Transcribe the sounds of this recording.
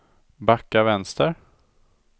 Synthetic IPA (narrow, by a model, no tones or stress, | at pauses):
bakːavɛnst̪əɾ